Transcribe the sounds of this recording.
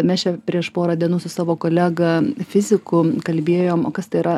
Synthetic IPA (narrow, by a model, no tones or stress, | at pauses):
mʲɛːst͡ʃʲɛpʲɾʲiɛʃpoːɾɐd̪ʲiɛnuːsʊsɑːʋoːkoːlʲæɡɐfʲɪzʲɪkʊkɐlʲbʲeɛjoːmoːkɐst̪ɐɪɪɾɐ